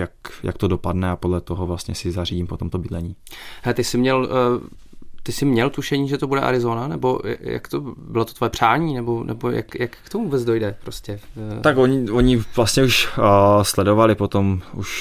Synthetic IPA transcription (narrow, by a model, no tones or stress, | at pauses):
jakjʔa̰k̚t̪odo̞padnɛapodlɛt̪oɦovlast̪ɲɛsɪzariɟiːmpot̪omt̪obɪdlɛɲiːɦɛt̪ɪsɪmɲɛl | t̪ɪsɪmɲɛlt̪uʃɛɲiːʒɛt̪obudɛ̰ʔa̰ɾɪzonanɛ̰bo̞j̰ja̰kt̪obɪlot̪o̥t̪vojɛpr̝̥aːɲiːnɛbo̞nʔɛ̰boja̰kjakkt̪ovvuːbɛt͡sdo̞jdɛpɾoscɛakoɲɪoɲɪvlast̪ɲɛuʃslɛdovalɪpot̪omuʃ